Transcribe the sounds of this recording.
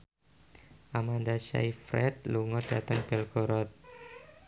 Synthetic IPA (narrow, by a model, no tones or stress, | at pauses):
ʔamandaʃa̰jfɾɛ̰t̪̚luŋɔd̥at̪əŋb̥ɛlkɔɾɔt̪̚